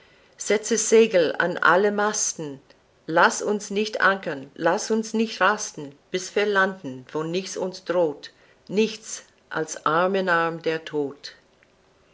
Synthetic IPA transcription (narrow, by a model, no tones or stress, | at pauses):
z̥ɛt͡səzeːɡl̩a̰na̰ləmastn̩ | lasʊnsnɪçtʔa̰ŋkənlasʊnsnɪçtʁastn̩b̥ɪsv̥iːɐlandn̩v̥oːnɪçt͡sʊnsd̥ʁoːt | nɪçt͡s | ʔa̰lsʔaɐmənaɐmdeːɐtʰoːt